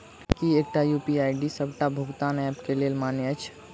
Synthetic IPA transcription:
kieːk̚ʈajuːpiaːjɖisəbʈabʱʊɡt̪aːnɛːpkeleːlmaːnjət͡ʃʰ

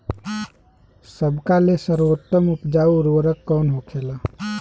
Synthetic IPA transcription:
səbkalesəɾwot̪ːəmʊpd͡ʒaːuɾʋəɾəkːɔːnɦoːkʰeːlaː

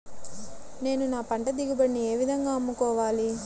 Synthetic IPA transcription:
ne̞ːnunaːpɐɳʈɐd̪iɡibɐɳːie̞ːʋid̪ʱɐŋɡaːɐmːukɔːʋaːli

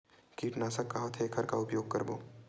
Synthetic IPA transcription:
kiːʈnaːsɐkːaɦot̪ʰeːkʰɐɾka̰ʊpjoːɡ̚kɐɾbo̰ː

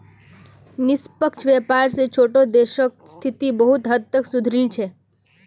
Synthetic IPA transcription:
nɪspəkt͡ʃʰʋjepaɾset͡ʃʰoʈod̪eʃək̚st̪ʰit̪ibəɦut̪ɦət̪ːəksud̪ʱɾit͡ʃʰe

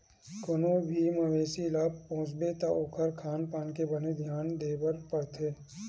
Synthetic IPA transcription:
kʊnobʱimɐʋeːsilaːbpõːt͡ʃbet̪aʔʊkʰəɾkʰaːnpaːnkebəned̪ʱjaːnd̪eːbəɾpɐɾt̪ʰeː

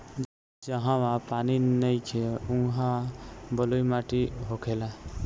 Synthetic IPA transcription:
d͡ʒə | d͡ʒəɦãʋãpaninəjkʰeũɦãbəlujmaʈiɦokʰela

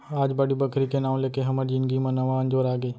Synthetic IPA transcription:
aːd͡ʒbaːɽibɐkʰɾikenaːũleːkeɦɐməɾd͡ʒɪnɡimɐ̃nɐʋaə̃nd͡ʒoːɾaːɡeː

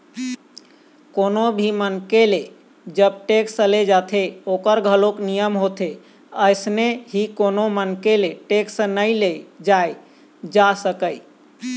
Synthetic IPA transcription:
konobʱimənkele | d͡ʒəb̚ʈekst͡ʃəled͡ʒat̪ʰeokəɾɡʱəloknijəmɦot̪ʰe | əɪsneɦikonomənkeleʈeksə̃nəjled͡ʒaj | d͡ʒasəkəj

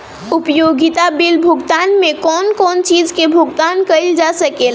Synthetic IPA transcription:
upjoɡit̪abilbʱuɡt̪anmekɔnkɔnt͡ʃid͡ʒkebʱuɡt̪ankəjld͡ʒasəkel

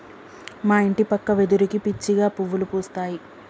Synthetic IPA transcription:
maːiɳʈipɐkːɐʋed̪uɾikipit͡ʃːiɡaːpuʋːulupuːst̪aːji

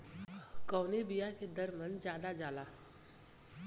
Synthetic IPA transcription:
kɔːnebijaked̪əɾmənd͡ʒjaːd̪ad͡ʒaːlaː

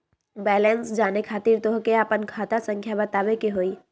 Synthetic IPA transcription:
bɛːlɛnsd͡ʒaːnekʰaːt̪iɾt̪oɦkeaːpənkʰaːt̪asə̃ŋkʰjabət̪aːbekeɦoːiː

